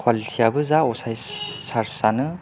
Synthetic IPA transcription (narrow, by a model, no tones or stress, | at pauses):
kʰwalitʰiabɯzaɔsaj | saɾsanɯ